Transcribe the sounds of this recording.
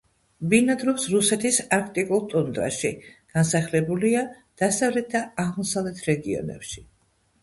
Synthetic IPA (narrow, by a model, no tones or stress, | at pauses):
binad̪ɾɔpsɾusɛt̪ʰisaɾkʰt̪ʼikʼulˠt̪ʼɔnd̪ʼɾa̰ʃiɡ̥ansaχlɛbulia | d̪̥asavlɛt̪̚d̪aːʁmɔsavlɛt̪ʰɾɛɡiɔ̰nɛ̰pʃi̥